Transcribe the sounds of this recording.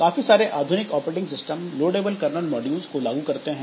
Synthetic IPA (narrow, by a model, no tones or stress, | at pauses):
kaːfisaːɾeʔʔaːd̪ʱʊnɪkɔːpɾeːʈɪ̃ŋɡsɪsʈəmloːɖeːbəlkɐɾnəlmɔːɖijuːzkolaːɡukɐɾt̪eɦɛ̃ː